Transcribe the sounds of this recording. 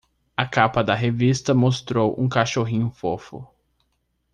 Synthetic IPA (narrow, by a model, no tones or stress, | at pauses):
ɐkapɐd̪ɐɦevist̪ɐmost̪ɾowʔṵ̃kaʃoɦĩɲʊfofʊ̰